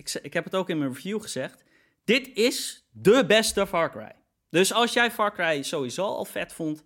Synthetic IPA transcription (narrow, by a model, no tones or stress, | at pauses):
sɪkɦɛpətowkɪnmənvjuχəz̥ɛxt | d̥ɪtɪs | dəbɛstəfɑɹkrɛ̰j | døsɑlˠsjɛjfɑɹkrɛjsowizoːɔ̰lˠfɛtfʊnt